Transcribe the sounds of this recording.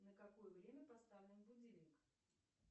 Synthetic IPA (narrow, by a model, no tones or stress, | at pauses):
nəkakojəvɾʲemʲəpast̪avlʲɪnmvʊd͡zʲilʲɪk